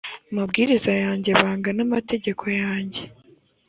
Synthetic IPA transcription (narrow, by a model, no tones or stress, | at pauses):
amabɡiːɾizajaːɲɟe̞βaːŋɡanamate̞ɟe̞kʰo̞jaːɲɟe̞